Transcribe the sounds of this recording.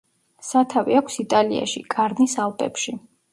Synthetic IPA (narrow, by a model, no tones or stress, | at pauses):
sat̪ʰavḭakʷʰsit̪ʼalia̰ʃḭkʼaɾnisalˠpʼɛ̰pʃi